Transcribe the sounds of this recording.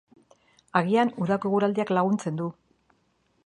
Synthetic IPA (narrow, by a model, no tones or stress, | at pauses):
aɣianuðakoeɣuɾald̪iaklaɣ̞unt͡se̞nd̪u